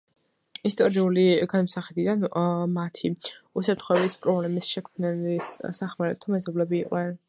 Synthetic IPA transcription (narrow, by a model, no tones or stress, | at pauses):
ist̪ʼɔɾiuliɡanmɔsaχɛd̪id̪anmat̪ʰiusap̚t̪ʰχwɛbispʼɾɔblɛmisʃɛkʰmnɛlissaχmaɾɛt̪ʰɔmɛzɔblɛbiːqʼnɛn